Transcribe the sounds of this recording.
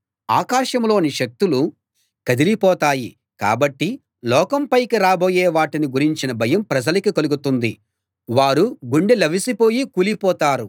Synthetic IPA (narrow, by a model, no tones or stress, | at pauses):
aːkaːʂɐmlo̞ːniʃɐk̚t̪ulu | kɐd̪ilipɔːt̪aːji | ka̰ːbɐʈːi | lɔːkɐmpɐjkiɾaːboːjɛːʋaːʈiniɡuɾiɲt͡ʃinɐbʱɐjɐmpɾɐd͡ʒɐlɐkikɐluɡut̪und̪i | ʋaːɾuɡuɳɖilɐbisipo̞ːjikuːlipɔːt̪aːɾu